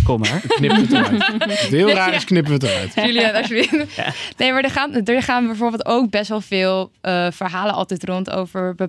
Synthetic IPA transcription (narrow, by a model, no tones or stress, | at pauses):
koma̰ɹknɪpəətətɦɪːlˠraːɾɪsknɪp̬əʋətəɾœ̰ɥtjəliɛtsʋɪnejmaɹdəχaːndəɹχaːnbɛjvoːɹbeːlˠtowk̚bɛstʋɛlˠvɪːlˠʔəv̥əɹɦaːlənʔɑ̰lˠtɛjtrɔnto̰wvəɹbə